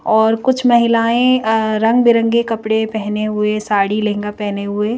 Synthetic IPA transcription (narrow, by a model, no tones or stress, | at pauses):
ɔːɾkʊt͡ʃʰmɐɦɪlaːẽɾɐ̃ŋɡbɪɾə̃ŋɡekɐpɽepɛɦneɦʊesaːɽilẽːŋɡapɛɦneɦʊe